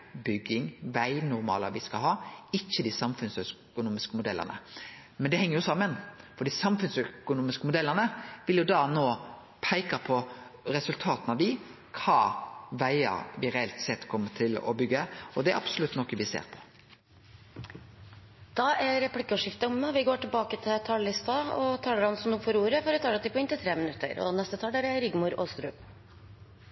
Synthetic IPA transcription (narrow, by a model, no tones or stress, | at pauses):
bʏɡːɪŋʋæɪnʊɾmɑ̰ːləʋɪskɑlɦɑːɪçːəd̪isɑmfʉnsœkʊnuːmɪskəmʊd̪ɛlːə̰nə̰ | mɛnd̪ɛhɛŋːɾjʊsɑmːənfɔɾd̪iːsɑmfʉnsœkʊnuːmɪskəmʊd̪ɛlːəʁnəʋɪljʊd̪ɑːnoː | pʰæɪkɑpʰɔɾɛsʉlt̪ʰɑːt̪nɑʋd̪ɪ | kʰɑːʋæɪə̰ɾʋɪɾɛɛlt̪sɛt̪ːkʰɔmːəʈʰɪlɔ̰bʏɡːəɔd̪ɛæɾʔɑ̰b̥sʊlʉt̪ːnɔkːəʋɪsḛːɾpʰɔ̥ | d̪̥ɑʔæɾɛplɪkːəɔʂɪft̪əʊmːɛʋɪɡoːʈɪlbɑːkət̪ʰɪlt̪ʰɑllɪst̪ɑɔt̪ʰɑːləɾhɑnsɔmd̪ʊfɔɾuːɾəfɔɾʋət̪ʰɑːlət̪ɪpɔɪnt̪ɪt̪ʰɾeːmɪnʉt̪ːə̰ɾɔ̰nɛst̪ət̪ʰɑːlɖ̪æɾæɾʏɡmʊɾoːst̪ɾʉːm